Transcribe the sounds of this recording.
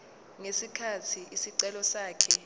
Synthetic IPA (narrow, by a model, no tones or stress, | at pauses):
ŋesikʰatʰiʔisiǀɛlɔsaːkʰɛ